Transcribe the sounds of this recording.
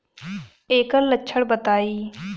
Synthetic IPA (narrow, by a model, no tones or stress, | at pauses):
eːkəllətːʃʰəɽbət̪aːiː